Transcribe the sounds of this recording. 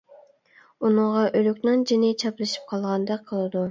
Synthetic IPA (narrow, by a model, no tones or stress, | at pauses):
unʊʁɑʔølykʲnɪnd͡ʒinɪt͡ʃʰɑplˠɨʃi̥p̚qʰɑlˠʁɑnd̪ɑqʰːəlˠɨd̪u